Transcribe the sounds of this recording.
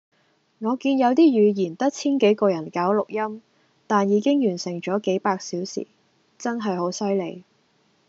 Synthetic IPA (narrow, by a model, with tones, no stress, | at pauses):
ŋɔː˨˧kiː˧njɐ˨˧wt̪̬iː˥jyː˨˧jiː˨˩nt̪ɐ˥t̚t͡sʰiː˥nke˨˥jkɔː˧jɐ˨˩nkaː˨˥wlʊ˨k̚jɐ˥m | t̪aː˨njiː˨˧˥kɪ˥ŋjyː˨˩nsɪ˨˩ŋt͡ʃɔː˨˥ke˨˥jpaː˧k̚siː˨˥wsḭː˨˩ | t͡sɐ˥nɦɐ˨jho˨˥wsɐ˥jle˨˧j